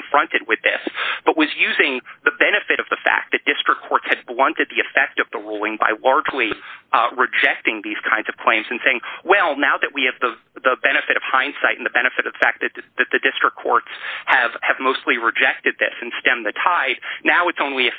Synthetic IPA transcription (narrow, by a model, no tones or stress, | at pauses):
ɱfɹʌ̃ntɨd̚wɨðɪsb̥ʌʔ̚wʌzjʉzɪ̃ŋðəbɛñɨfɨɾʌvðəfæ̰k̚ðɨt̚d̥ɪstɹ̥ɨkʰɔɹtshɨd̚blʌ̃ntɨd̪̚ðiɨfɛk̚tʌvðəɹulˠɪ̃ŋba̰ɪlɑɹd͡ʒliɹɨd͡ʒɛk̚tɪ̃ŋðiz̥kʰãɪ̃ndz̥ʌv̥kʰl̥ẽɪ̃mz̥ɨ̃n̩seɪɪ̃ŋwɛlˠnaʊðɨʔ̚wiɨvðə | ðəbɛɾ̃ɨfɨɾʌv̥hãɪ̃nsaɪɾn̩ðɨbɛñɨfɨɾʌvðəfæk̚ðɨt̪̚ðɨt̪̚ðɨdɪstɹ̥əkʰɔ̰ɹtshɨv̥ɨvmoʊstˡliɹɨd͡ʒɛk̚tɨd̪̚ðɪ̰sɨ̃n̩stɛ̃mðɨtʰaɪd̚naʊɨtsõʊ̃nliɨ